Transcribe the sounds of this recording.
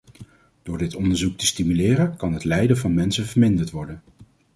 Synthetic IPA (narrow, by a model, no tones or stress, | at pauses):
d̥ʊːɹdɪtɔndəɹzuk̚təstimylɪːrənkɑnɦətlɛjdəvɑnmɛnsəvəɹmɪndəɹtʋɔɹdən